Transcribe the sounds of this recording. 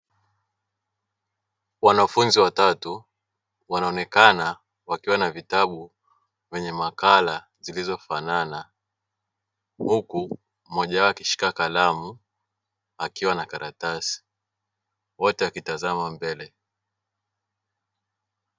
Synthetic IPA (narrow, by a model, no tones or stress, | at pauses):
wanafunziwatatu | wanaɔnɛkana | wakiwanavitaɓu | vɛɲɛmakala | zilizɔfanana | huku | mɔʄawakiʃi̥kakalamu | akiwanakaɾʔatasi̥ | wɔtɛwakitazamambɛlɛ